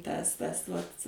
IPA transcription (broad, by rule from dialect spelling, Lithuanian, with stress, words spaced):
ˈtɐs ˈtɐs ʋɐtʲ